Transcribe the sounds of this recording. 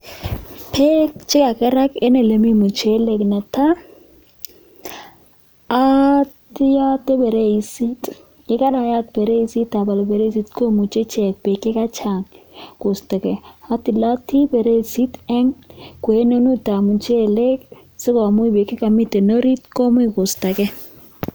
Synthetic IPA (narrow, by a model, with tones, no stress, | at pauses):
pʰe˦kt͡ʃɪ˦ka˨kɛ˦ɾa˦ke˦ne˨le˨mi˦mu˨t͡ʃe˦le˨kna˨ta˦ | ti˦ja˦te˦bɛ˨ɾe˦i˨si˦t | kɪ˦ka˦ɾa˨ja˦t̚bɛ˨ɾe˦i˨si˦tːa˨ba˨lbe˨ɾe˦si˨˦tko˦mu˨t͡ʃe˦t͡ʃɛ˨k̚be˨ke˦ka˦t͡ʃa˨ŋko˨sta˨kɛ˨a˦tɪ˨la˦ti˦bɛ˨ɾe˦˨si˦tɛ˦ŋkwe˨˦no˦nu˦ta˨mu˨t͡ʃe˦le˦k̚ | sɪ˦ko˨a˨mu˦i˦be˨kɪ˦ka˨mi˦te˨no˦ɾi˦tko˦mʊ˦i˨ko˨sta˨kɛ˦